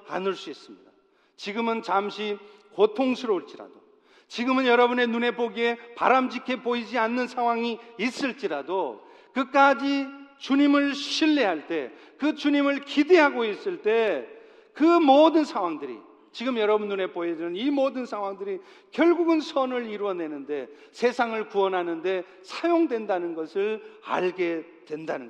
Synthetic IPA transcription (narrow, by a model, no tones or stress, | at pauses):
a̰nɯɭs͈uis͈ɯmɲida | t͡ɕiɡɯmɯnt͡ɕamɕʰi | kotʰoŋsʰɯɾʌuɭt͡ɕ͈iɾa̰d̥o | t͡ɕiɡɯmɯnjʌɾʌbune̞nune̞poɡie̞pa̰ɾamd͡ʑikʰe̞poid͡ʑianːɯnsʰaŋwaŋiis͈ɯɭt͡ɕ͈iɾado | kɯk͈ad͡ʑit͡ɕuɲimɯɭɕʰiɭːiɦaɭt͈e̞̰ | kɯt͡ɕuɲimɯɭkide̞ɦaɡois͈ɯɭt͈e̞ | kɯmodɯnsʰaŋwaŋdɯɾḭ | t͡ɕiɡɯmjʌɾʌbund͡ʑuɾe̞poɦed͡ʑinɯnimodɯnsʰaŋwaŋdɯɾi | kjʌɭɡuɡɯnsʰʌnɯɭiɾuwʌne̞nɯnde̞ | sʰe̞sʰaŋɯɭkuʌnɦanɯnde̞ | sʰajoŋdwe̞ndanɯnɡʌsʰɯɭa̰ɭɡe̞ | dwe̞ndanɯnɡ